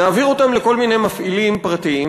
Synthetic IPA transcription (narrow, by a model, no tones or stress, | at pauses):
aːviʁo̞t̪amle̞ko̞lmine̞jmafʔilimpʁat̪ii